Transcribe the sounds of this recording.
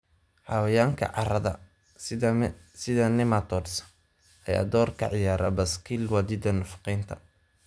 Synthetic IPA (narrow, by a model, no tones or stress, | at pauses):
ħɑwɐjaːŋkʰɐ̰ʕɑɾɐðɐ | sɪðɐnɪmat̪ʰɔːds | ʔɐja̰ːd̪ɔːrkʰɐ̰ʕɪjaːɾɐ̰bɐskʰilwɑðɪd̪ɐnɐfɑ̥qiːnt̪ʰɐ̥